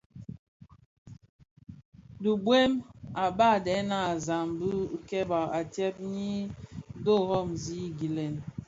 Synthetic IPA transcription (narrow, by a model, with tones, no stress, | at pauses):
du˨bwe˦ma˨ba˦˨dɛ˨˦na˦˨za˨mbu˦kɛ˦ba˨a˨tjɛ˦p̚ɲi˦do˦ɣɔ˦˨mzi˦ɡi˨lɛ˨n